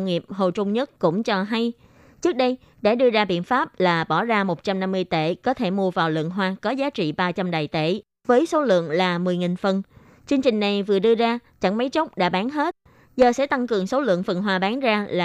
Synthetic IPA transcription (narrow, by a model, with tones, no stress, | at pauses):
wŋ͡mŋi˨˩əp̚ho˨˩t͡ɕʊ˧ŋ͡mɲə˦˥t̚kʊ̰˧˥ŋ͡mt͡ɕɔ˧ɦa˧j | t͡ɕɨ˦˥k̚ɗə˧j | ɗa̰ː˧˥ɗɨ˧əzaː˧ɓḭ˧˨ənfaː˦˥p̚laː˨˩ɓɔ˧˩zaː˧mo˨˩t̚t͡ɕa˧mna˧mːɨ˧əjt̪ḛ˧˩kɔ˨˦t̪ʰe˧˩mu˧əvaː˨˩wlɨ̰˧˨əŋɦwaː˧kɔ˨˦zaː˨˦t͡ɕḭ˧˨ɓaː˧t͡ɕa˧mɗaː˨˩jt̪e˧˩˨ | vəː˨˦jso˨˦lɨ̰˧˨əŋlaː˨˩mɨ˨˩əjŋi˨˩nfə˨˩n | t͡ɕɨ˧əŋt͡ɕï˨˩ŋ̟na˨˩jvɨ˨˩əɗɨ˧əzaː˧t͡ɕa̰˧˩ŋma˨˦jt͡ɕə˦˥wk͡p̚ɗa̰ː˧˥ɓaː˨˦nɦe˦˥t̚ | zəː˨˩sɛ̰˧˥t̪a˧ŋkɨ˨˩əŋso˨˦lɨ̰˧˨əŋfə˨˩nɦwaː˧ɓaː˨˦nzaː˧laː˨˩